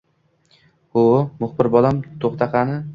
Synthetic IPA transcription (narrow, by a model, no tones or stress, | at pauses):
ʊmʊχbɪɾbɒlamt̪ʰoχt̪ʰɑqʰɑnɪ